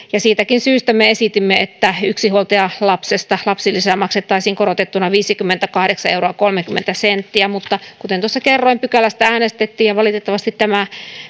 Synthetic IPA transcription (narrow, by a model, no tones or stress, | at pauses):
jɑsiːt̪ækinsyːst̪æmeesit̪imːeet̪ːæyksihuolt̪eɑlɑpsest̪ɑlɑpsilːisemɑkset̪ːɑisiːŋkoɾot̪et̪ːunɑʋiːsikymːent̪ækɑhdeksɑeuwroɑkolmekymːḛnt̪æsent̪ːiæmut̪ːɑkut̪ent̪osːɑkerːoimpykælæst̪ææːnest̪et̪ːiːjɑʋɑlit̪et̪ːɑʋɑst̪it̪tæmæ